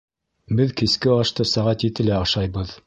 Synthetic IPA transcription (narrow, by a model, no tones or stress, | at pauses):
bɘðkiskɘɑʃt̪ɤsæʁæt̪jit̪ɘlæɑʃɑjβɤð